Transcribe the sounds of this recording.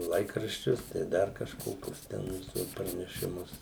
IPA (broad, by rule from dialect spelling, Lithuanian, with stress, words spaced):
ˈlˠɐɪkrɐʃʲt͡ʃʲʊs tɐɪ ˈdɐr kɐʃˈkoːkʲʊs ˈtʲɛn tuɔs prɐnʲɛʃʲɪˈmʊs